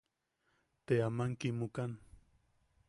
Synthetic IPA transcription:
t̪eamaŋkɪmʊkan

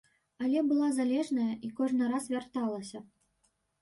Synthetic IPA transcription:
alʲɛbɨlˠazalʲɛʐnɐjɐʔikɔʐnɨɾasvʲart̪alˠɐsʲɐ

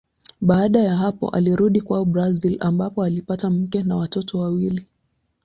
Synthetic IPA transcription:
ɓaːɗajaɦapɔ̰ʔa̰liɾuɗikwaubɾazilambapɔalipatam̩kɛnawatɔtʰɔwawili

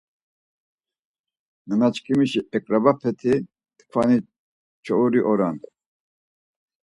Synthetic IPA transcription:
nənat͡ʃkʰimiʃiɛkʼɾabapʰɛt̪ʰi | t̪kʰvani | t͡ʃʰɔuɾiʔɔɾankʰʼ

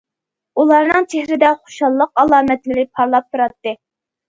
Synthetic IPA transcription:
ulˠɑɾnɨŋt͡ʃʰehɾɪd̪ɛχo̥ʃɑlˠːəq̚ɑlˠɑːmɛt̪lɪɾɪpʰɑɾlˠɑp̚t̪ʰuɾɑt̪ːɨ

